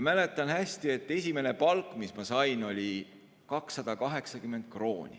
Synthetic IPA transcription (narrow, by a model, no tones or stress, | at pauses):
mæle̞t̪ːˑɑnhæsʲt̪ie̞t̪ːe̞sʲime̞ne̞pɑlkːˑmismɑsɑjno̞lʲi | kɑksːɑd̪̥ɑkɑɦe̞ksɑkymːe̞nd̪̥̚kro̞ːnʲḭ